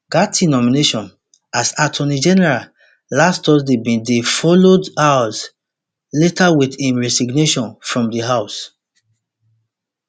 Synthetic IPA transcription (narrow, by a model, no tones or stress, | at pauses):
ɡatinɔmineʃɔ̃n | asatʰɔnid͡ʒɛnɛɹal | lastɔsdebĩndefɔlodas | letawidĩnɹɛsiɡneʃɔ̃nfɹɔ̃mdiɦaʊs